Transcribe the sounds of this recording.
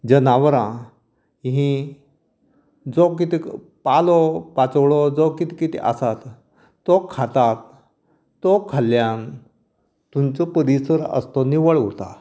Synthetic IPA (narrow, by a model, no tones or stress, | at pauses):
d͡ʑənaʋɾã | ɦĩ | d͡zɔk̬it̪i | palɔpat͡swɭɔd͡zɔkit̪i̥kit̪ḭʔasat̪ː | ɔkʰat̪at̪ː | ɔkʰəljan | t̪umt͡səpəɾisəɾə̰st̪ɔniʋəɭət̪a̰